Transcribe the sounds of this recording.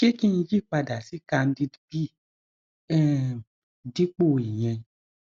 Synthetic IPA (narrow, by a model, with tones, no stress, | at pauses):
ke˦ki˦n̩˧˦d͡ʒi˦˨k͡pa˧da˨si˨˦ka˧n̩˦di˦dbi˦ | ɛ̃˦˨ | di˦k͡po˦˨i˨j̃ɛ̃˧